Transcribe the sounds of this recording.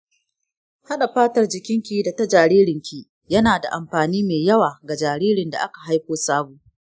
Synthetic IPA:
ha˦ɗa˨ɸaː˦tɐ˨rd͡ʒɪ˨kʲɪ˦ŋkʲiː˨da˨ta˦d͡ʒaː˨ɽiː˦ɾɪ˨ŋkʲi˨ | jɐ˦naː˨da̰˨ʔa˨mɸaː˨niː˦meː˨jɐ˦waː˨ɡa˨d͡ʒaː˨ɾiː˦ɾɪ˨nda̰˨ʔa˦ka˨ɦa˦jkʷoː˦saː˦buː˨

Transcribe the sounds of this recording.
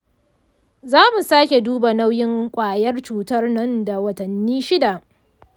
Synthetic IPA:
zaː˦mu˨saː˦kʲe˨duː˦ba˨na˦wjɪ˦ŋkʷʼaː˨jɐ˦rt͡ʃuː˨tɐ˦rnɐ˦nda˨wɐ˨tɐ˨nːiː˦ʃɪ˦da˨

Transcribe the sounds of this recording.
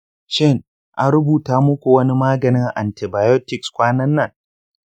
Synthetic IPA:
ʃɪ˦ŋ | ʔa˦nɾʊ˦buː˨taː˦mʊ˦kʷu˨wɐ˦ni˦maː˦ɡɐ˨nɪ˦ŋʔa̰˨nti˨baː˨jɔ˦tɪ˨kskʷaː˦nɐ˦nːɐ˨ŋ

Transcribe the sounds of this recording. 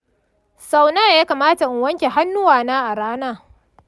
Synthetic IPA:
sa˦wnaː˦jaː˦kaː˨maː˦ta˨ʔɪ˨wɐ˦ŋkʲe˨ɦa˦nːʊ˦waː˨naː˦ʔa˨ɽaː˦naː˦˨

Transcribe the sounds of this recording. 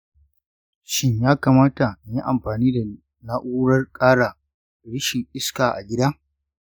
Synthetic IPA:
ʃɪ˦ɲjaː˦kaː˨maː˦ta˨ji˦ʔa˨mɸaː˨niː˦da˨ | na˦ʔuː˦ɽɐ˦rkʼaː˦ɽa˨ | ɽɪ˦ʃi˨ʔɪ˦skaː˨ʔa̰˨ɡʲɪ˦da˦

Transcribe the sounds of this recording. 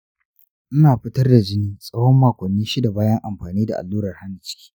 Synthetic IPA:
ʔɪ˦naː˨ɸɪ˦tɐ˦rda˨d͡ʒɪ˦niː˦sʼɐ˦wɔ˦mːaː˨kʷɔ˨nːiː˦ʃi˦da˨baː˦jɐ˦ŋʔa˨mɸaː˨niː˦da̰˨ʔa̰˨lːuː˦ɾɐ˨rha˦n˨t͡ʃi̥ː˦

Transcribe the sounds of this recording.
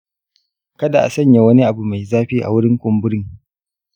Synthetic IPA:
kɐ˦da˨ʔa̰˨sɐ˦ɲja˨wɐ˦ni˦ʔa˨bu˨ma˨jzaː˦ɸiː˦ʔa̰˨wʊ˦ɽɪ˦ŋkʷʊ˨mbʊ˦ɽɪ˦ŋ

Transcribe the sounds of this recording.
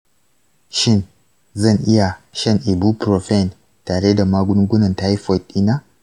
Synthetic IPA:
ʃɪ˦˨n | zɐ˦˨ŋʔɪ˦ja˨ʃɐ˦˨ŋʔi˨bu˦pɾo˨ɸɛ˦˨n | taː˨ɽe˦da˨maː˦ɡʷʊ˦ŋɡʷʊ˦nɐ˨nta˦ha˦fɔ˨t̚i˦na˦

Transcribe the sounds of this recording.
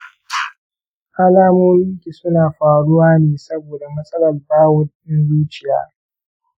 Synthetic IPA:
ʔa˦laː˦moː˦mɪ˦ŋkʲi˨sʊ˦naː˨ɸaː˨ɽʊ˦waː˦neː˨sɐ˦boː˨da˨mɐ˦sʼɐ˦lɐ˨rbaː˦wʊ˦nɗɪ˦nzuː˦t͡ʃɪ˨ja̰ː˦

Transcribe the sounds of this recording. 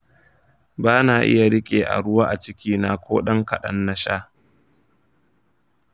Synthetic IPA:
baː˦naː˨ʔɪ̰˦ja˨ɽɪ˦kʲʼeː˨ʔa̰˨ɽʊ˦waː˦ʔa˨t͡ʃɪ˦kʲiː˦naː˨kʷoː˦ɗɐ˦ŋkɐ˨ɗɐ̰˦nːɐ˦ʃaː˦

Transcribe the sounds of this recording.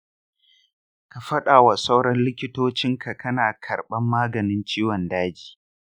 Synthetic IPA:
ka˨ɸɐ˦ɗaː˨wa˨sa˦wɽɐ˦nlɪ˦kʲɪ˦toː˦t͡ʃɪ˦ŋkʰa˨kɐ˦naː˨kʰɐ˨ɾɓɐ˦mːaː˦ɡɐ˨nɪ˦nt͡ʃiː˦wɔ˨ndaː˦d͡ʒi̥ː˨

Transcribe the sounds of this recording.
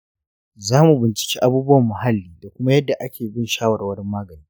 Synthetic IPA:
zaː˦mu˨bɪ˨nt͡ʃɪ̥˨kʲiː˦ʔa˦buː˦bʊ˦wɐ˨mːʊ˨ɦa˦lːiː˨da˨kʷʊ˦ma˦jɐ˦dːa˨ʔa˦kʲʰeː˨bɪ˦nʃaː˦wɐ˨wɐ˦ɽɪ˦mːaː˦ɡɐ˨niː˦

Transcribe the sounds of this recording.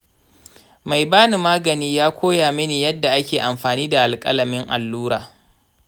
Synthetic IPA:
ma˨jbaː˦ni˨maː˦ɡɐ˨niː˦jaː˦kʷoː˦jaː˨mɪ˦niː˨jɐ˦dːa˨ʔa˦kʲeː˨ʔa˨mɸaː˨niː˦da˨ʔa˨lkʼɐ̰˦lɐ˨mɪ˦ŋʔa̰˨lːuː˦ɾaː˨

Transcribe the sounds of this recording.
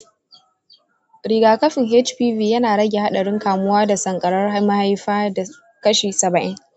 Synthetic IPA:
ɾiː˨ɡaː˨kɐ˦ɸɪ˨ŋɦe˦t͡ʃpiː˦viː˨jɐ˦naː˨ɽɐ˦ɡʲe˨ha˦ɗɐ˨ɽɪ˦ŋkaː˨mʊ˦waː˦da˨sɐ˨ŋkʼɐ˨ɽɐ˦rhmɐ˦ha˦jɸaː˦da˨ | kɐ˦ʃiː˨sɐ˨bɐ˨ʔɪ˦ŋ

